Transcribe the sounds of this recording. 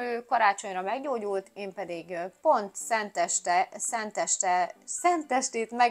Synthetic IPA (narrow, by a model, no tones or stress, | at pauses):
øːkɒɾaːt͡ʃo̞ɲrɒmɛɡɟoːɟult̪eːmpɛd̪iɡpo̞nt̪sɛnt̪ɛʃt̪ɛsɛnt̪ɛʃt̪ɛsɛnt̪ɛʃt̪eːt̪mɛ